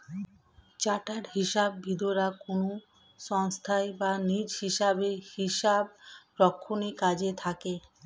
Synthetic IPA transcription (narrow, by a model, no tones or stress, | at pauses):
t͡ɕaʈaɾɦiʃabːʱid̪oɾakono | ʃɔŋst̪ʰaebanid͡ʑhiʃabehiʃab̚ɾɔkʰːonikad͡ʑet̪ʰake